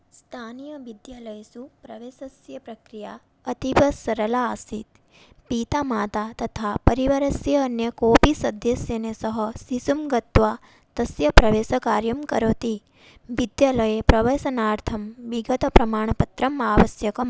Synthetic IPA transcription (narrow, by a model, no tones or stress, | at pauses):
st̪ʰaːnijɐʋid̪jaːlɐjsupɾɐʋeːsɐsjɐpɾɐkɾija | ɐt̪ipɐsɐɾɐlasit̪ | piːt̪amaːt̪at̪ɐt̪ʰapɐɾiʋɐɾɐsjɐːnjɐkoːpisɐd̪jɐsjɐnesɐɦɐsisumɡɐt̪ʋaː | t̪ɐsjɐpɾɐʋeːsɐkaːɾjɐmkɐ̰ɾoːt̪i | ʋid̪jaːlɐjepɾɐʋɐsɐnaːɾt̪ʰɐmʋiɡɐt̪ɐpɾɐmaːɳ̃ɐpɐt̪ɾɐmaːʋɐsjɐkɐm